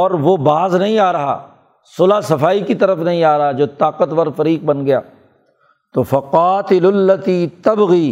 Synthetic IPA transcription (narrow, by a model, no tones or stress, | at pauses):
ɔːɾʋobaːznɐɦĩaːɾɐɦa̰ː | soːlasɐfaːikit̪ɐɾəfnɐɦĩaːɾɐɦad͡ʒoːt̪aːqət̪ʋɐɾfɐɾiːq̚bɐnɡɐja̰ː | t̪oːfɐqaːt̪ɪlʊlːɐt̪iːt̪ɐbɣiː